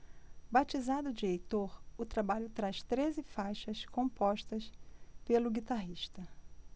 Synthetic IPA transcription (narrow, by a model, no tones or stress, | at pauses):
bat͡ʃizad̪ʊd͡ʒiejt̪oɾʊt̪ɾabaʎʊt̪ɾaʃt̪ɾezɪfajʃɐskõpɔʃt̪ɐspelʊɡit̪aɦiʃt̪ɐ